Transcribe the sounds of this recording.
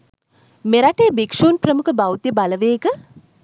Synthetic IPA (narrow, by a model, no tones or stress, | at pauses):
meɾaʈeːbekʂuːnprəmukəbawt̪jəbaləʋeːkə